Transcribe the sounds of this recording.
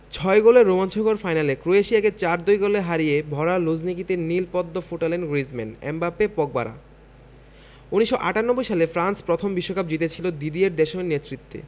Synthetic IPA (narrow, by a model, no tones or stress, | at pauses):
t͡ɕʰɔeɡoleɾːomant͡ɕʰoɡoɾfajnalekɾoeʃiaket͡ɕaɾd̪ojɡoleɦaɾiebʱɔɾalod͡ʑnikit̪enilpɔd̪ːofoʈalenɡɾizmḛnḛmbapepɔk̚ba̰ɾa̰ | uniʃːoʔa̰ʈanobːojʃalefɾanspɾot̪ʰombiʃːokap̚d͡ʑit̪et͡ɕʰilod̪id̪ieɾd̪eʃomenet̪ːɾit̪ːḛ